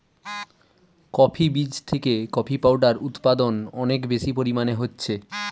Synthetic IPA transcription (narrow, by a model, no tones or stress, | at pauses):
kɔpʰibid͡ʑt̪ʰekekɔpʰipawɖaɾut̪pad̪onɔnekbeʃipoɾimaneɦotːɕʰe